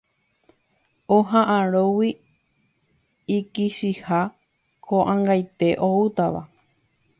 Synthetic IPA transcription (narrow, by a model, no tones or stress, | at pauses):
oɦãʔãɾowi | ikiʃiha | kʰõʔãŋɡajt̪e̞ʔout̪aʋa̰